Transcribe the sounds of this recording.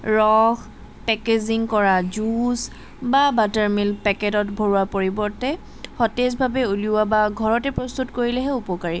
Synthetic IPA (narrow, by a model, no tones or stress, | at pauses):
ɹɔx | pɛkeziŋkɔɹazus | babataɹmilpɛketɔtbʱoɹwapoɹibɔɹtɛ | xɔtɛsbʱabɛuliʊabaɡʱɔɹɔtɛpɹɔst̪utkoɹilɛɦɛupɔkaɹi